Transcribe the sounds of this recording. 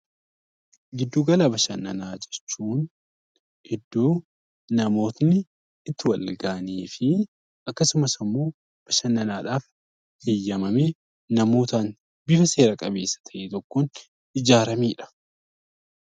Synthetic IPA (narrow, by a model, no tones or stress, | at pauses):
ɡɪd̪ːuːɡɐlɐbɐʃɐnːɐnaːd͡ʒɛ̥t͡ʃːuːn | hɛd̪ːuː | nɐmo̞ːt̪nɪː | t̪ːɪwɐlɡaːɐneːfɪ | ɐkːɐsʊmɐsɐmːo̞ː | b̥ɐʃɐnːɐnaːᶑaːf | hɪjːɐmɐmeː | ɐmo̞ːt̪aːn | bɪfɐse̞ːɾɐkʼɐbe̞ːsːɐ̥t̪ʰɐʔet̪ɔkːoːn | ɪd͡ʒaːɾɐmiːᶑɐ̥